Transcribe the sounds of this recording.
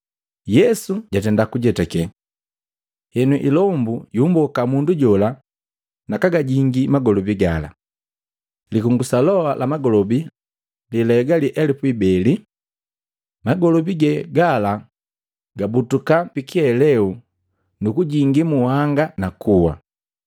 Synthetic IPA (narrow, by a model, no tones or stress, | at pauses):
jɛsuɟatɛndakuɟɛtakɛ | hɛnuʔilɔmbujumbɔkamunduɟɔla | nakaɡaɟiŋɡimaɡɔlɔbiɡala̰ | likuŋɡusalɔalʔamaɡɔlɔbi | lilɛɡaliʔɛlipuibɛli | maɡɔlɔbiɡɛɡala | ɡabutukapikiɛlɛu | nukuɟiŋɡimuhaŋɡanakuwa̰